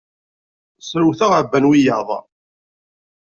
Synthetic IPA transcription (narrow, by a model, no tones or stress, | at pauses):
sɾuθaʁəbːænwijɑ̰ðˤ